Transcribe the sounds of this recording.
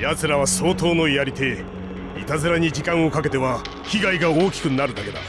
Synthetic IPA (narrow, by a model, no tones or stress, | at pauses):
jazɨɾaβ̞aso̞ːt̪o̞ːno̞ijaɾʲit̪e̞ | ḭt̪azɨɾaɲ̟id͡ʑikãɰ̃o̞kake̞t̪e̞βa | çiɡaiɡaoːkʲi̥kɯ̟naɾɯ̟d̪ake̞d̪a̰